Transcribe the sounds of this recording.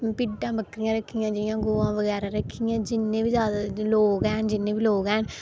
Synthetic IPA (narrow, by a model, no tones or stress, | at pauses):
pɪʈːãːbəkɾijãːɾəkʰːijãːd͡ʒɪjãːɡoːʋãːʋəɡɛːɾaːɾəkʰːijãːd͡ʒɪnːẽːʋizjaːd̪aːloːɡɛːnd͡ʒɪnːẽːʋiloːɡɛːn